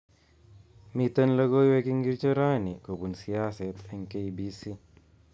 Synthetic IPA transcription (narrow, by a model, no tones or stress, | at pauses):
mit̪ːɐnlɐɡojwekiŋɡiɾt͡ʃɔɾaːnikobunsijaːsɛt̪ɛŋkejbisi